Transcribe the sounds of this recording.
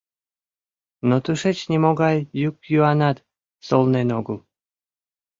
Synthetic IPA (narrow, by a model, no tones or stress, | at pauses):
not̪ɨʃet͡ɕnʲimoɣɑjːukjuɑnɑt̪ | solnenoɡəl